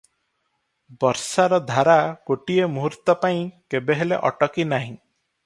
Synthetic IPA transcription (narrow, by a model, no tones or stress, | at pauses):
bɔɾsaɾɔd̪ʱaɾakoʈiemuɦuɾt̪ɔpaĩkebeɦelḛʔɔ̰ʈɔkinaɦĩ